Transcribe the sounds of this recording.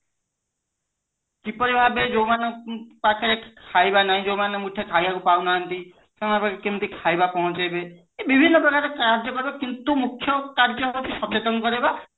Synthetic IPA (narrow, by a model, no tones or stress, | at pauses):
kipɔɾibʱabed͡ʒowmanpakʰeɾekʰajbanaɦĩd͡ʒowmanemuʈʰjekʰajbakupawnaːnt̪i | semanpakakint̪ikʰajbapɔɦũt͡ʃajbe | ebibʱinːɔbɔɡaɾekaɾd͡ʒɔkɔɾibakint̪umukʰːjɔkaɾd͡ʒɔt̪ʰiʃɔt͡ʃet̪ɔnkɔɾeba